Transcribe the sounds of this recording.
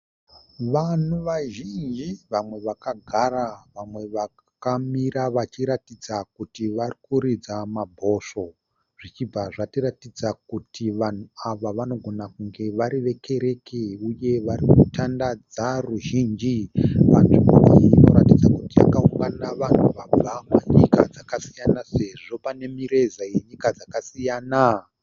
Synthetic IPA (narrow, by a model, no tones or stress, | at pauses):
ʋan̤uʋaʒind͡ʒiʋamwe̞ʋakaɡʱaraʋamwe̞ʋa | kamiɾaʋat͡ʃiɾatid͡zakutiʋarikuɾid͡zamabʱo̞so̞ | ʐ̥it͡ʃib͡vaʐatiratid͡zakutiʋan̤uaʋaʋano̞ɡʱo̞nakuŋɡe̞ʋaɾiʋe̞kʰe̞ɾe̞keuje̞ʋaɾikutandad͡zaruʒiːnd͡ʒiʋanʐimoiino̞̰ɾatid͡zakutija̰kauŋɡanaʋan̤uʋab͡vʱamweɲika̰d͡zakasijanase̞ʐo̞pane̞miɾe̞zajeɲikad͡zakasijaːna